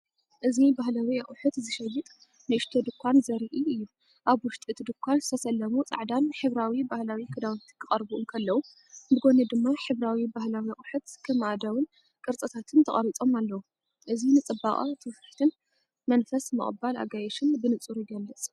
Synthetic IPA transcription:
ʔɨzibaɦlawiɐχʼħʊt̪zɨʃɐjɨt̪ʼ | nɨʔɨʃt̪ʰod̪ɨkʷʰːanzɐɾiʔiɨjːu | ʔaβwʊʃt̪ʼɨt̪d̪ɨkʰʷːanzɨt̪ʰɐsɐlːɐmut͡sʼa̰ʕd̪anħɨβɾawibahlawikʰɨd̪awnt̪ʰi̥kʰɨχʼɐɾbuʔunkʰɐlːɐwu | bɨɡo̞nɐd̪ɨmːaħɨβɾawibahlawiɐχʼħut̪kʰɨmʔad̪ɐwɨn | kʼɨɾt͡sʼɨt̪ʰat̪ʰɨnt̪ʰɐχʼɐ̰ɾit͡sʼo̞malːɐwu | ʔɨzinɨt͡sʼɨbːaχʼɐ̰t̪ʰɨwfħt̪ʰɨn | mɐnfɐsmɨ̰χʼbala̰ɡajɛʃɨnbɨnɨt͡sʼuɾujɡɐlːɨt͡sʼ

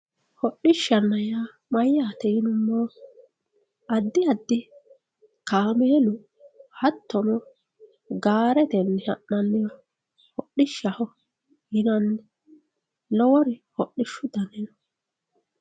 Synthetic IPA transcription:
hɔɗɪʃːɐnːɐja | mɐjːaːt̪ɛɪnʊmːɔ | ɐd̪ːɪɐd̪ːɪ | kaːmeːlʊ | hɐt̪ʰːɔnɔ | ɡaːɾɛt̪ɛnːɛhɐʔːɐnːɪjɔ | hɔɗɪʃːɐhɔ | jɪnɐn | lɔwɔɾɪhɔɗːɪʃːʊd̪ɐnɛnɔ

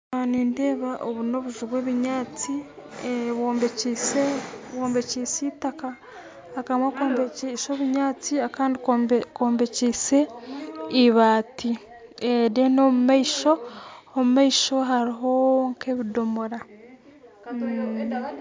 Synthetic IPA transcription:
noniːnde̞ːβaʔoβuno̞βuʒuβweːβiɲaːt͡si | βoːmbeciseβwoːmbe̞ciːsitakaː | kamwakoːmbeisoβiɲaːt͡siakaːndikoːmbe̞ciːse̞ | iβaːti | edeno̞mumaiʃo̞omumaiʃo̞ɦaɾiɦo̞ŋkʰeβido̞moɾa

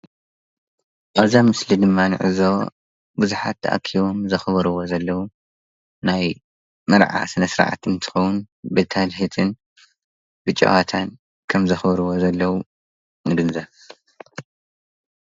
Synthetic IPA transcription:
ʔʼazamɨslid̪ɨmːanɨ̰ʕɨ̰zo | buzuħa̰t̪ʰːɐ̰ʔa̰kʰiβo̞mzɐxβɐɾɨwo̞zɐlːɐwu | naj | mɐɾʕa̰sɨnɐsɾ̰ʕa̰t̪ɨnt̪ʰɨ̥xɐwun | bɨt̪ʰalħit̪ʰɨn | bɨt͡ʃʼːɐ̰wat̪ʰan | kʰɐmzɐxbɐɾɨwo̞zɐlːɐwu | nɨɡɨnzɐβ

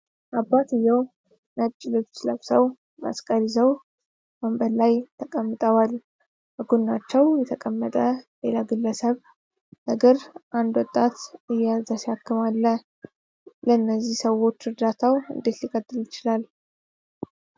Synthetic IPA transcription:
ʔabːat̪ɨjːɛw | nət͡ʃʼːɪlot͡ʃːləβsəw | ma̰skʼəlizəw | məmbəlajt̪ʰəkʼəmːɨt̪ʼəwal | bəɡunːat͡ʃːɛwjɛt̪ʰəkʼəmːət̪ʼəlelaɡɨlːəsəβ | nəɡəɾʔand̪wɔt̪ʼːat̪ɨjazasihakːɨmalːə | ləɨnːəzːihsəwo̞t͡ʃːɾɨɾd̪at̪ʰawɨ̰nd̪e̞t̪likʼət̪ʼːɨljɪt͡ʃɪlal

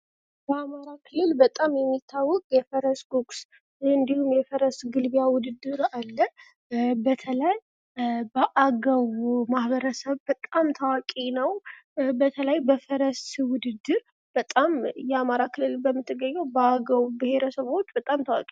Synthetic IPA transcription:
bəamaɾakʰɨlːɨlbət̪ʼamjɛmːit̪ʰːawːɔkʼjɛfəɾəsɡuks | ɨnd̪ihumjɛfəɾəsɡɨlbijawʊd̪ɨd̪ːɨɾalːə | bət̪ʰələj | bəʔaɡəwmahbəɾəsəβbət̪ʼamt̪ʰawakʼinəwbət̪ʰələjbəfəɾəswʊd̪ɨd̪ːɨɾ | b̥ət̪ʼamjɛamaɾakʰɨlːɨlbəmːɨt̪ʰːɨɡːəɲːɛwbəaɡəwubɪhe̞ɾəsəβot͡ʃːbət̪ʼamt̪ʰawa̰kʼi

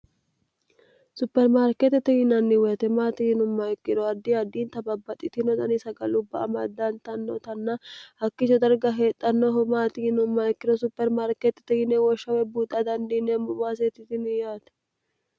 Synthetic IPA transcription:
sʊpːɛɾmaːɾkɛt̪ːɛt̪ɛhɪnɐnːɪwɛt̪ɛmaːt̪ɪhɪnʊmːɐɪkːɪd̪ɔɐd̪ːiɐd̪ːiːnt̪ɐbɐbːɐt̪ʼːɪt̪ɪnɔd̪ɐnɪsɐɡɐlʊbːɐɐmɐd̪ːɐnt̪ɐnːɔt̪ɐnːɐhɐkːɪt͡ʃɔd̪ɐɾɡɐɦeːt̪ʼːɐnːoɦɔmaːt̪ɪhɪnʊmːaɛkːɪd̪ɔsʊpːɛɾmaːɾkɛt̪ːɛ̥t̪ɛhɪnɛwɔʃːɐwɛbuːd̪ɐd̪ɐnd̪inemʊbaːs̬et̪ɪt̪ɪnɪjaːt̪ɛ̥

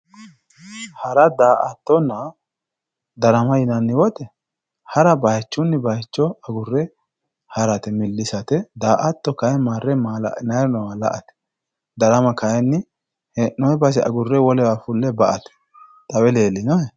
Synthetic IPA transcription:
hɐɾɐd̪aːʔɐt̪ːɔnːɐ | d̪ɐɾɐmɐjɪnɐnːɪwɔt̪ɛ | hɐɾɐbɐjt͡ʃːʊnːɪbɐjt͡ʃːɔɐɡʊrːɛ | hɐɾɐt̪ɛmɪlːɪsɐt̪ɛd̪aːʔɐt̪ːɔkɐjɛmaːrːɛmal̰nɐjɾnɔwalɐ̰ʔɐt̪ɛ̥ | d̪ɐɾɐmɐkɐjɛnːɪ | hɛʔɔɛbɐs̬ɛɐ̰ɡʊrːɛwɔlɛwafʊlːɛbɐʔɐt̪ɛ̥ | t̪ʼɐwɛleːlːɪnɔɛ

